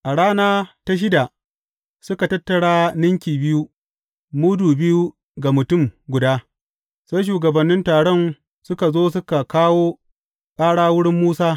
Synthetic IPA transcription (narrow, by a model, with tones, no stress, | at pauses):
ʔa˨ɽaː˦naː˦ta˦ʃ̬ɪ˦da˨ | sʊ˦ka˨tɐ˦tːɐ˨ɽaː˦nɪ˦ŋkʲiː˨bɪ˦ju˦ | mʊ˦duː˨bɪ˦ju˦ | ɡa˨mʊ˨tʊ˦˨mɡʷʊ˨daː˦ | sa˦jʃ̬uː˨ɡɐ˨bɐ˨nːɪ˦ntaː˨ɽɔ˦n | sʊ˦ka˨zoː˦s̬ʊ˦ka˨kaː˦woː˦ | kʼaː˦ɽaː˦wʊ˦ɽɪ˦mːuː˦saː˦